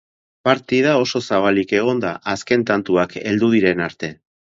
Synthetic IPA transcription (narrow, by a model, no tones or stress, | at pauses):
paɾt̪ið̞ao̞so̞saβ̞alike̞ɣ̞o̞nd̪aʔaske̞nt̪ant̪uakʰe̞̰ld̪uð̞iɾe̞naɾt̪e̞